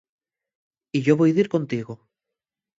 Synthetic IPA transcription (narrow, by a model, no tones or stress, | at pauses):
iʝoβojðiɾkont̪iɣo